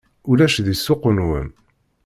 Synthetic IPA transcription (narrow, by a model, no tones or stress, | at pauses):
ulæʃðisːʊqːənwə̰m